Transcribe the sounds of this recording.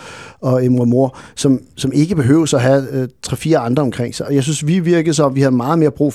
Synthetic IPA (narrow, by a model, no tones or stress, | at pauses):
ɒ̽emmo̝ɐ̰sɒ̽msɒ̽me̝ɡ̥əb̥e̝ɦø̰ːʊsɒɦæt͡sʰʁɛfiːɐɑ̈nd̥ʁɐɒ̽mkʰʁeŋ̰sɑ̈ɪɒ̽jɑ̈ɪsynsʋiʋiɐɡ̥ð̩ˠsɒ̽mʋihæðˠmɑ̈ːð̞̩ˠme̝ːɐb̥ʁṵː